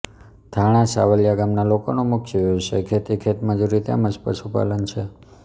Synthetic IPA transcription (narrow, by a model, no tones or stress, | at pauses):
d̪ʱaɽ̃ãsa̰ʋəljaɡamnalokonumʊkʰjʋut͡ʃekʰet̪ikʰet̪məd͡ʒuɾit̪a̰məd͡ʒpə̰ʃupa̰lənt͡ʃʰe